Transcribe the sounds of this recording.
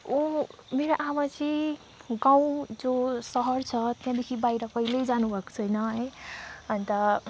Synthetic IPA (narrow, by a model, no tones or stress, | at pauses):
omeɾaʔamat͡si | ɡãw̃d͡zosʌɦʌɾt͡sʰʌt̪jãd̪ekʰibaiɾʌpʌiled͡zanubʱʌko̥t͡sʰʌjnʌɦəʌnit̪ʌ